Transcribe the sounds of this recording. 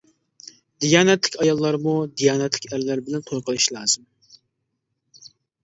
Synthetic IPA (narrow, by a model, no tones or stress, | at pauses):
d̪ijɑːnɛt̪lɪkʲɑjɑlˠːɑɾmud̪ijɑːnɛt̪lɪkʲæɾlæɾbɪlɛnt̪ʰojqʰəlˠɨʃlˠɑːz̥ɨm